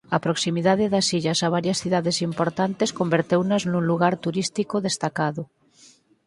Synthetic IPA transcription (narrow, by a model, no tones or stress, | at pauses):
apɾoksimiðaðeðasiʎasaβ̞aɾjasθiðaðesimpoɾt̪ant̪eskombeɾt̪ewnaznũnluɣaɾt̪uɾist̪ikoðest̪akaðo